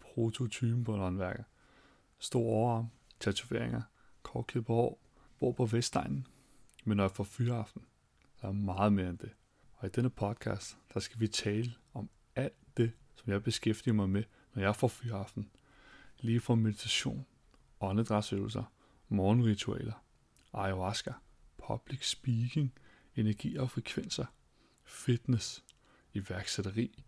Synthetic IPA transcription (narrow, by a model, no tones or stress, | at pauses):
pʰʁo̝t͡sʰo̝t͡sʰyb̥n̩pʰɒnɒ̽nʋæɐɡ̥ð̩ | sd̥o̝̰ːɐ̰ɒʊɐɑ̈mt͡sʰæt͡sʰuʋe̝ɐ̰eŋɐ | kʰɒ̰ːd̥kʰeðˠb̥ehɒʊ̰ | b̥o̝ɐ̰pʰɒ̽ʋesd̥ɑ̈ɪ̰nn̩ | menːɒjäfɒfyːɐɑ̈fd̥n̩ | sɑæɐmɑ̈ːð̞̩ˠme̝ːɐend̥e̝ | ɒ̽id̥enəpʰɒ̽d̥̚kʰɑ̰̈ːsd̥d̥ɑ̈sɡ̥æʋit͡sʰɛːlə | ɒ̽m | æl̰d̥d̥e̝ | sɒ̽mjɑ̈ɪb̥e̝sɡ̥efd̥iɐmɑ̈ɪme | nɒjɑ̈ɪfɒfyːɑ̈fd̥n̩ | liːfɒme̝ð̥ˠit͡sʰæɕo̝̰ːn | ɒ̽nəd̥ʁɑ̈sø̰ʊl̩sɐ | mɒːnʁit͡sʰuɛ̰ːlɐ | ʔɑ̈ɪo̝ɑsɡ̥æ | pʰɒb̥liɡ̥sb̥iɡ̥eŋ | e̝næɐɡ̥ḭːɒ̽fʁɛkʰʋen̰sɐ | fid̥nes | iʋæɐɡ̥seɾ̥ɐʁḭː